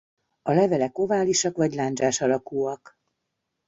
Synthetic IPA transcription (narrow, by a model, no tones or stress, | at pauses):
ɒlɛvɛlɛko̞vaːliʃɒkvɒɟlaːnd͡ʒaːʃɒlɒkuːɒk